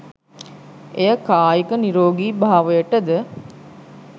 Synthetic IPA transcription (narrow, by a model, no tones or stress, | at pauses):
ejəkaːjikəniɾoːɡiːbʱaːʋəjəʈəd̪ə